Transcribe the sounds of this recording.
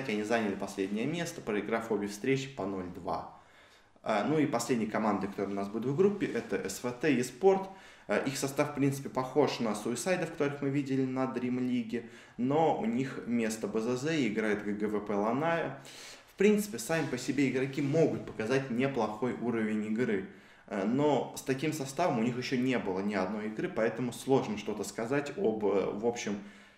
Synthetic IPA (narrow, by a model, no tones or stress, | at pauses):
tʲɪɐnʲizanʲɪlʲɪpɐsʲlʲedʲnʲɪjəmʲe̞st̪ə̥pɾəɪɡɾafobʲɪfst̪ɾʲet͡ɕɪ̥pɐno̞lʲd̪va̰ | ənuipɐsʲlʲedʲnʲɪjəkɐmand̪əɨkɐt̪oɾɨʊnasbud̪ʲɪʊtvɡɾupʲːɪʔɛt̪əʔɛsvɛt̪ɛispo̞rt̪ʔixsɐst̪afpɾʲint̪sɨ̥pʲɪpɐxo̞ʂnəsuɪsajd̪əfkɐt̪o̞ɾɨxmɨvʲidʲɪlʲɪnəd̪ɾʲimlʲiɡʲɪ | no̞ʊ̰nʲixmʲe̞st̪əbəzɛzɛɪɪɡɾajɪt̪ɡəɡəvɛpɛlˠɐnajəfpɾʲint̪sɨ̥pʲɪsamʲɪpəsʲɪbʲeɪɡɾɐkʲimo̞ɡʊt̪̚pə̥kɐzatʲnʲɪplˠɐxo̞jʔuɾəvʲɪnʲɪɡɾɨ | no̞st̪ɐkʲimsɐst̪avəmʊnʲixjɪɕːonʲe̞bɨlˠənʲɪɐd̪no̞jɪɡɾɨpɐɛt̪əmʊslˠo̞ʐnəʂt̪o̞t̪əskɐzatʲo̰bəvo̞pɕːɪm